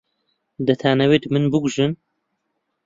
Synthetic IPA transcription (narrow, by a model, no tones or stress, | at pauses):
d̪ɐt̪ʰaːnɛweːt̪mɨnbɨɡuʒɨn